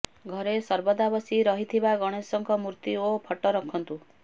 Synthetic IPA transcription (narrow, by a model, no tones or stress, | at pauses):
ɡʱɔɾesɔɾbɔd̪abɔsiɾɔɦit̪ʰibaɡɔɽ̃esɔŋkɔmuɾt̪iopʰɔʈɔɾɔkʰɔnt̪u